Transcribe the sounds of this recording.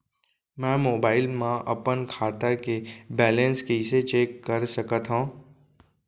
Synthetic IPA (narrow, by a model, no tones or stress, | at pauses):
mɛ̃ːmoːbaːɪlmãʔɐ̰pənkʰaːt̪akebɛːlə̃nskeɪset͡ʃeːkːəɾsəkət̪ɦõː